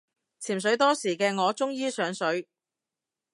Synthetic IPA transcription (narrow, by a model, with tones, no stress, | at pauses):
t͡sʰiː˨˩msɵ˨˥ɥt̪ɔː˥siː˨˩kɛː˧ŋɔː˨˧t͡sʊ˥ŋjiː˥sœː˨˥ŋsɵ˨˥ɥ